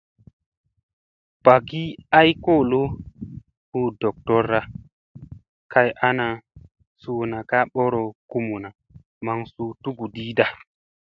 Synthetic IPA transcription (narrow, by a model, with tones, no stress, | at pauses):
pa˨ɡi˦a˦jko˦˨lo˦ | u˦dɔ˨k̚tɔ˦ɾːa˦ | ka˨jʔa˦na˨ | su˨na˨ka˦ɓo˦ɾo˨ku˦mu˨na˨ | ma˨ŋsu˨tu˦ɡu˨di˦da˨